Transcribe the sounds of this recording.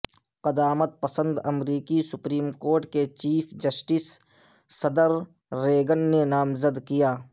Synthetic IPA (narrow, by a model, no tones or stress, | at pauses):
qɐd̪aːmət̪̚pəsə̃nd̪ɐmɾiːkisʊpɾiːmkoːɾʈket͡ʃiːfʰd͡ʒɐsʈɪsː | ɐd̪əɾː | eːɡənːenaːmzəd̪kijaː